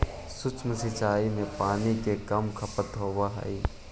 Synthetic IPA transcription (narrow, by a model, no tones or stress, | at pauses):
sʊt͡ʃməsɪt͡ʃaːimẽpaːnikekɐmkʰɐpət̪ɦoːʋaɦɐ̰iː